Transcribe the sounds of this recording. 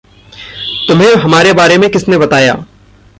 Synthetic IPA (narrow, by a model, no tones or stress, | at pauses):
t̪ʊmɦẽɦɐmaːɾebaːɾemẽkɪsnebɐt̪aːja̰ː